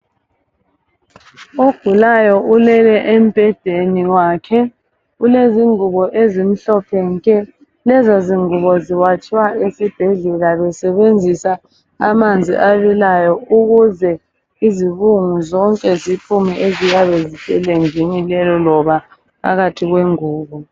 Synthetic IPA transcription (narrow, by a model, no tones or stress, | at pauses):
oɡ̥ʱulajɔʔulɛlɛʔem̩b̥ʱɛdeniwaːkʰɛ | uleziŋuβɔʔezim̩ɬɔpʰɛŋkʼɛ | lɛzɔziŋuβɔziwat͡ʃʼiwaesib̥ʱɛɮɛlaβɛsɛβend͡zʱisa | a̰mand͡zʱḭʔaβilajɔuɣuzɛ | iziβuŋuzɔŋkʼɛzipʰumɛʔeziɣaβezitʼɛleŋd͡ʒinilɛlɔlɔβa | pʰa̰ɣatʰiɣweŋuːβɔ